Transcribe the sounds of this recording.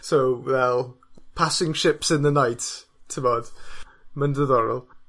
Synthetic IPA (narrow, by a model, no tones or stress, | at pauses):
sowwɛlˠpʰasɪ̃ŋʃɪpsɪ̃nðənajttʰɪvɔːd̥məndəðɔɾə̰lˠ